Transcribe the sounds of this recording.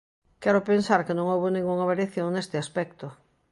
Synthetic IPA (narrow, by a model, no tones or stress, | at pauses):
kɛɾʊpensaɾkɪnõŋowβonĩŋɡuŋaβaɾjaθjõŋnest̪ɪaspɛkt̪ʊ